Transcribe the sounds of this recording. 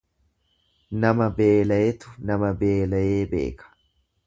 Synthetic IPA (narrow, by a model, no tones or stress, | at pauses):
nɐmɐbeːlɐjɛt̪ʊ̥nɐmɐbeːlɐjeːbe̞̰ːkɐ̥